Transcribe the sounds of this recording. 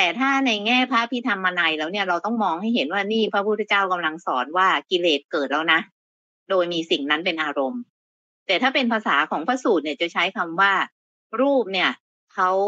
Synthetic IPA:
t̪ɛː˨˩t̪ʰaː˥˩na˧jŋɛː˥˩pʰa˦˥pʰi˦˥t̪ʰa˧mːaː˧naː˧jlɛː˦˥wni˥˩ɐɾa˧wt̪ɔ˥˩ŋmɔː˧ŋha˥˩jɦe˩˦nwaː˥˩niː˥˩pʰɾa˦˥pʰu˥˩t̪ʰːt͡ɕaː˥˩wka˧mla˧ŋsɔː˩˦nwaː˥˩ki˧leː˨˩t̪̚kɤː˨˩t̪̚lɛː˦˥wna˦˥ | doː˧jmiː˧si˨˩ŋna˦˥npe˧nʔaː˧ɾo˧m | t̪ɛː˨˩t̪ʰaː˥˩pe˧npʰa˧saː˩˦kʰɔː˩˦ŋpʰaː˦˥suː˨˩t̪̚ni˧˩t͡ɕa˨˩t͡ɕʰa˦˥jkʰa˧mwaː˥˩ | ɾuː˥˩p̚ni˥˩ɐ | kʰa˦˥w

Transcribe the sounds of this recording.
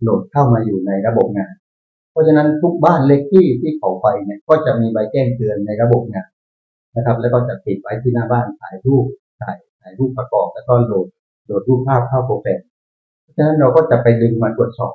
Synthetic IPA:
lo˨˩t̪̚kʰa˥˩wmaː˧juː˨˩na˧jɾa˧bo˨˩p̚ŋaː˧n | pʰɔ˦˥t͡ɕʰa˧na˦˥nt̪ʰu˦˥k̚baː˥˩nle˦˥k̚t̪ʰiː˥˩t̪ʰiː˥˩kʰa˨˩˦wpa˧jni˥˩ɐkɔː˥˩t͡ɕa˨˩ʔmiː˧ba˧jkɛː˥˩ŋt̪ɯ˧ənːa˧jɾa˧bo˨˩p̚ŋaː˧n | na˦˥kʰa˦˥p̚lɛ˦˥wkɔː˥˩t͡ɕa˨˩pi˨˩t̪̚wa˦˥jt̪ʰiː˥˩naː˥˩baː˥˩nsaː˩˦jɾuː˥˩p̚ | saː˨˩jsaː˩˦jɾuː˥˩pːɾa˧kɔ̰ː˨˩p̚lɛː˦˥wkɔː˥˩loː˨˩t̪̚ | loː˨˩t̪̚ɾuː˥˩p̚pʰːaː˥˩p̚kʰa˥˩wkʰoː˧˩sɛː˨˩n̚ | pʰɔ˦˥˩t͡ɕʰa˧na˦˥nɾa˧wkɔː˥˩t͡ɕa˨˩pa˧jdɯ˧ŋmaː˧t̪ʰu˨˩ət̪̚sɔ̰ː˨˩p̚

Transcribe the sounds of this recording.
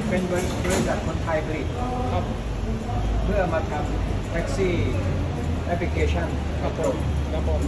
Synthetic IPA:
pe˧nbeː˧ɾspɾe˧ŋt͡ɕaː˨˩k̚kʰo˧nt̪ʰaː˧jbʰa˧ɾi˨˩t̪̚ | kʰa˦˥p̚ʰm | pʰɯ˥˩ɐmaː˧t̪ʰa˧m | ʔʰɛ˦˥k̚siː˥˩ | ʔɛ˦˥pʰli˧kʰeː˧t͡ɕʰa˥˩n | kʰɾa˦˥p̚ʰːo˨˩˦mkʰɾa˦˥pʰːo˨˩˦m

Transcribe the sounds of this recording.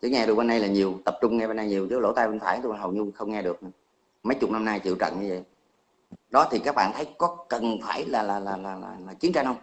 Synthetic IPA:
zə̰˨˦ŋɛ˧ɗɨ˨˩k̚ɓe˧nɗa˧jlaː˨˩ɲi˨˩əwt̪ə˨˩p̚t͡ɕʊ˧ŋ͡mŋɛ˧ɓe˧nː˧jɲi˨˩əwzə˨˦lo̰˧˥t̪aː˧jɓe˧nfaː˧˩jt̪u˧˩a˨˩ɦə˨˩wɲʊ˧xə˧wŋ͡mŋɛ˧ɗɨ˨˩ək̚ | mə˨˦jt͡ɕʊ˨˩k͡p̚na˧mnaː˧jt͡ɕḭ˧˨əwt͡ɕə̰˧˨nɲɨ˧və̰˧˨j | ɗɔ˨˦t̪ʰi˨˩kaː˦˥k̚ɓa̰ː˧˨nt̪ʰə˨˦jkɔ˨˦kə˨˩nfaː˧˩jlaː˨˩laː˨˩laː˨˩laː˨˩laː˨˩laː˨˩t͡ɕi˨˦ənt͡ɕa˧nhə˧wŋ͡m

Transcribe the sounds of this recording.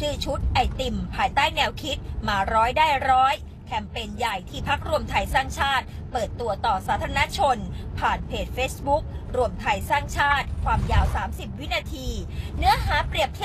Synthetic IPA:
sɯː˥˩t͡ɕʰu˦˥t̪̚ʔa˧jt̪i˨˩mpʰaː˧jt̪aː˥˩jnɛː˧wkʰi˦˥t̪̚maː˧ɾɔː˦˥jdaː˥˩jɾɔː˦˥j | kʰɛ˧˩mpe˧nja˨˩jt̪ʰiː˥˩pʰa˦˥k̚ɾu˧əmt̪ʰa˧jsaː˥˩ŋt͡ɕʰaː˥˩t̪̚pɤː˨˩t̪ːu˧ɐt̪ɔː˨˩saː˩˦˥t̪ʰa˧na˦˥t͡ɕʰo˧npʰaː˨˩npʰeː˨˩t̪̚feː˦˥sbu˦˥k̚ɾu˧əmt̪ʰa˧jsaː˥˩ŋt͡ɕʰaː˥˩t̪̚kʰwaː˧mjaː˧wsaː˩˦msi˨˩p̚wi˦˥naː˧t̪ʰiː˧nɯ˦˥ɐɦaː˩˦pɾi˨˩əp̚kʰ

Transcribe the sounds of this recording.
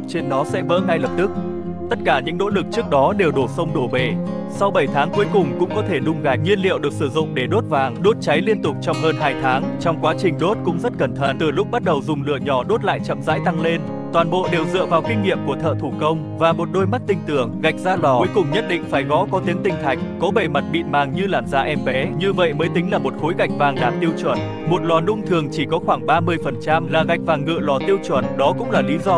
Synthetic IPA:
t͡ɕe˧nɗɔ˨˦sɛ̰˧˥ɓə̰ː˧˥na˧jləː˨˩p̚t̪ɨ˦˥k̚ | t̪ə˦˥t̚kaː˧˩ɲɨ̰˧˥ŋno̰˧˥lɨ˨˩k̚t͡ɕɨ˦˥ək̚ɗɔ˨˦ɗe˨˩wɗo˧˩sə˧wŋ͡mɗo˧˩ɓe˧˨˩ | sa˧wɓə˧˩jt̪ʰaː˨˦ŋku˨˦əjkʊ˨˩ŋ͡mkʊ̰˧˥ŋ͡mkɔ˨˦t̪ʰe˧˩ɗʊ˧ŋ͡mɣa˨˩j̚ŋwi˧ənlḭ˧əwɗɨ˨˩ək̚sɨ˧˩zʊ̰˧˨ŋ͡mɗe˧˩ɗo˦˥t̚vaː˨˩ŋɗo˦˥t̚t͡ɕa˨˦jli˧ənt̪ʊ˨˩k͡p̚t͡ɕɔ˧wŋ͡mɦəː˧nɦaː˧jt̪ʰaː˨˦ŋt͡ɕɔ˧wŋ͡mkwaː˨˦t͡ɕï˨˩ŋ̟ɗo˦˥t̚kʊ̰˧˥ŋ͡mzə˦˥t̚kə˧˩nt̪ʰə˧˩nt̪ɨ˧˩lʊ˦˥k͡p̚ɓa˦˥t̚ɗə˨˩wzʊ˨˩ŋ͡mlɨ̰˧˩əɲɔ˧˩ɗo˦˥t̚la̰ː˧˨jt͡ɕə̰˧˨mza̰ː˧˥jt̪a˧ŋle˧n | t̪waː˨˩nɓo̰˧˨ɗe˨˩wzɨ̰˧˨əvaː˨˩wkï˧ŋ̟ŋḭ˧˨əmku˧˩ət̪ʰə̰ː˧˨t̪ʰu˧˩kə˧wŋ͡m | vaː˨˩mo˨˩t̚ɗo˧jma˦˥t̚t̪ï˧ŋ̟t̪ɨ˧˩əŋɣa˨˩jk̟̚zaː˧lɔ˨˩u˨˦jkʊ˨˩ŋ͡mɲə˦˥t̚ɗḭ̈˧˨ŋ̟faː˧˩jɣɔ̰˧˥kɔ˨˦t̪i˨˦əŋt̪ï˨˩ŋ̟t̪ʰa˨˩jk̟̚kɔ˨˦ɓe˨˩ma˨˩t̚ɓḭ˧˨nmaː˨˩ŋɲɨ˧laː˧˩mzaː˧ʔɛ˧mɓɛ˨˦ɲɨ˧və̰˧˨jməː˨˦jt̪ï˨˦ŋ̟laː˨˩mo˨˩t̚xo˨˦jɣa˨˩jk̟̚vaː˨˩ŋɗaː˨˩nt̪i˧əwt͡ɕwə˧˩n | mo˨˩t̚lɔ˨˩nʊ̰˧˥ŋ͡mt̪ʰɨ˨˩əŋt͡ɕi˧˩kɔ˨˦xwaː˧˩ŋɓaː˧mɨ˧əjfə˨˩nt͡ɕa˧mlaː˨˩ɣa˨˩jk̚vaː˨˩ŋːɨ̰˧˨əlɔ˨˩t̪i˧əwt͡ɕwə˧˩nɗɔ˨˦kʊ̰˧˥ŋ͡mlaː˨˩li˨˦zɔ˧

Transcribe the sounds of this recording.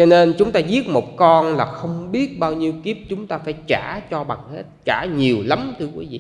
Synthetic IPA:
t͡ɕɔ˧ne˧nt͡ɕʊ˨˦ŋ͡mt̪aː˧zi˦˥ət̚mo˨˩t̚kɔ˧nlaː˨˩xə˧wŋ͡mɓi˦˥ət̚ɓaː˧wɲi˧əwki˦˥əp̚t͡ɕʊ˨˦ŋ͡mt̪aː˧faː˧˩˦jt͡ɕaː˧˩˦t͡ɕɔ˧ɓa˨˩ŋhḛ˦˥t̚t͡ɕaː˧˩ɲi˨˩əwla˨˦mt̪ʰɨ˧kwi˨˦vḭ˨

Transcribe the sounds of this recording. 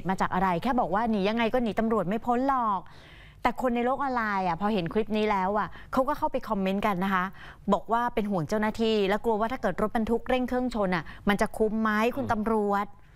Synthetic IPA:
t̪̚maː˧t͡ɕaː˨˩k̚ʔa˧ɾa˧jkʰɛː˥˩bɔː˨˩k̚waː˥˩niː˩˦ja˧ŋːa˧jkɔː˥˩niː˩˦t̪a˧mɾu˨˩ət̪̚ma˥˩jpʰo˧˦˥nlɔː˨˩k̚ | t̪ɛː˨˩kʰo˧nːa˧jloː˥˩k̚ʔɔː˧nlaː˧jʔa˨˩pʰɔː˧ɦe˩˦nkʰɾi˦˥p̚niː˦˥lɛː˦˥wʔa˨˩kʰa˦˥wkɔː˥˩kʰa˥˩wpa˧jkʰɔ˧mːe˦˥nka˧nːa˦˥kʰa˦˥ | bɔː˨˩k̚waː˥˩pe˧nɦu˩˦əŋt͡ɕa˥˩wnaː˥˩t̪ʰiː˧lɛː˦˥wklu˧əwaː˥˩t̪ʰaː˥˩kɤː˨˩t̪̚ɾo˦˥t̪̚ba˧nt̪ʰu˦˥k̚ɾe˥˩ŋkʰɯ˥˩əŋt͡ɕʰo˧nʔa˨˩ma˧nt͡ɕa˨˩kʰu˦˥mːa˦˥jkʰu˧nt̪a˧mɾu˨˩ət̪̚

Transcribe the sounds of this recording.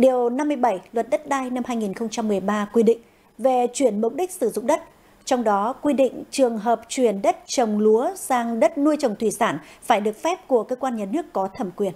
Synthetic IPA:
ɗi˨˩əwna˧mːɨ˧əjɓə˧˩jlwə˨˩t̚ɗə˦˥t̚ɗaː˧jna˧mhaː˧jŋi˨˩nxə˧wŋ͡mt͡ɕa˧mːɨ˨˩əjɓaː˧kwi˧ɗḭ̈˧˨ŋ̟ | ve˨˩t͡ɕwi˧˩ənmʊ˨˩k͡p̚ɗï˦˥k̟̚sɨ˧˩zʊ̰˧˨ŋ͡mɗə˦˥t̚ | t͡ɕɔ˧wŋ͡mɗɔ˨˦kwi˧ɗḭ̈˧˨ŋ̟t͡ɕɨ˨˩əŋɦəː˨˩p̚t͡ɕwi˧˩ənɗə˦˥t̚t͡ɕə˨˩wŋ͡mlu˨˦əsaː˧ŋɗə˦˥t̚nu˧əjt͡ɕə˨˩wŋ͡mt̪ʰwi˧˩saː˧˩nfaː˧˩jɗɨ˨˩ək̚fɛ˦˥p̚ku˧˩əkəː˧kwaː˧nɲaː˨˩nɨ˦˥əkːɔ˨˦t̪ʰə˧˩mkwi˨˩ən

